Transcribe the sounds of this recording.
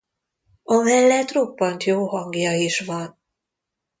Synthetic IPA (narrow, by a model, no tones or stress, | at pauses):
ɒmɛlːɛt̪ro̞pːɒnt̪joːɦɒŋɡjɒiʃʋɒn